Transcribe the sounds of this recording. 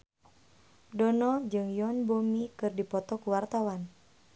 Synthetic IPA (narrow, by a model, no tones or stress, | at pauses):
dɔnɔd͡ʒɨŋjɔnbomikɨrdipɔt̪ɔkuwart̪awan